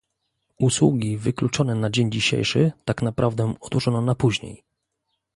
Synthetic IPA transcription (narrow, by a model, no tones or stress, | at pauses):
uswṵɡʲivɘklut͡ʂɔnɛnad͡ʑeɲd͡ʑiɕḛjʂɘ̰t̪aknapɾavd̪ɛɔd̪wɔʐɔnɔnapuʑɲḛj